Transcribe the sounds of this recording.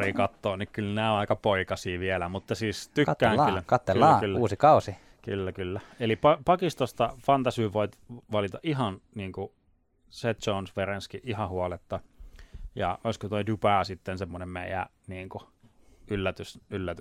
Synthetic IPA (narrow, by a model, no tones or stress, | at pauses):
iːkɑt̪ːoːnikkylnæːõnɑikɑpoikɑsiːʋielæmut̪ːɑsiːst̪ykːæːŋylkɑt̪ːelːɑːkylːuːsikɑusi | kylːækylːæelipɑpɑkist̪ost̪ɑfɑnt̪ɑsyːʋoit̪ʋɑlit̪ɑʔihɑnniːŋku | set̪t͡ʃonsʋerenskiʔʔihɑhuolet̪ːɑ | jɑ̰oiskot̪oidupæːsit̪ːensemːonemmeijæ̰ | niːŋku | ylːæt̪ysylːæt̪